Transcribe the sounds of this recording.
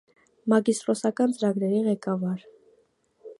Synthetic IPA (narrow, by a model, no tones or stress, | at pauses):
mɑɡist̪ɾɔsɑkɑnt͡səɾɑɡɾɛɾiʁɛkɑvɑɾ